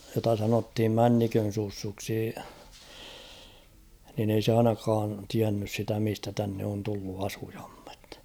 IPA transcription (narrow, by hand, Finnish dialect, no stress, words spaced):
jotɑ sɑnothim mænːikøn̞ susːuksi nin ei se ɑinɑkɑːn tiænːys sitæ mistæ tænːe on tulːu ɑsuj̊ɑ̥m̥ːe̥t